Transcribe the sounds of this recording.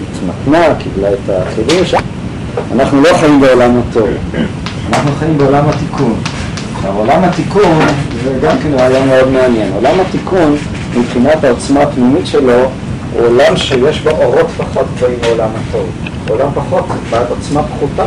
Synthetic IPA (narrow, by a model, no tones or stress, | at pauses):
itmat̪nakiblaet̪aχiduʃ | anaχnulo̞χaimbeolamhato̞v | anaχnuχaimbeolamhat̪ikʰun | ʃavolamhat̪ikunzeɡamkenloajameo̞dmeanje̞nolamhatikun | mibχinatao̞t͡smaːtnimitʃe̞lo̞ | ṵolamʃe̞jeʃboʔoʁo̞tpaχo̞t̪kloimaolamhato̞v | olampaχo̞t̪zetbatot͡smapχuta